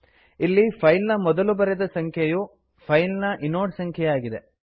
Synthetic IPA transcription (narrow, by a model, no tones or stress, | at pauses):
ilːipʰɐjlnɐmɔd̪ɐlubɐɾɛd̪ɐsɐŋkʰjeju | pʰɐjlnɐʔinoːɖsɐŋkʰjɛjaːɡid̪e̞̰